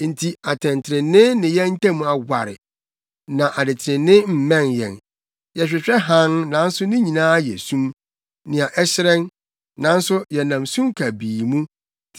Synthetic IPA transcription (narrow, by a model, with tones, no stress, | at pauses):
n̩˨tʰi˨a˨tʰɛ̃˨ntʰɪ˨ɾɪ̃ː˨ɪ̃˦nɪ̃˨jɛ˦n̩˦tʰɛ̃˦mũ˨a˨ɡʷa̰˨ɾɪ̰˨ | nã˨ʔa˨dɪ˨tʰɪ˨ɾɪ̃˨nːɪ̃˦m̩˨mɛ̃˦njɛ̰̃˨n | jɛ˨ɕᶣɪ˨ɕᶣɛ˦ɦã˦nnã˨˦n̩˦sʊ˦nɪ̃˦ɲĩ˨nãː˦jɛ̰˨sũ˦m | nɪ̃˨a˨ʔɛ˦ɕɪ˦ɾɛ̃˦n | nã˨˦n̩˦sʊ˦jɛ˨nã˨msũ˦mkʰa˨biː˨mũ˦˨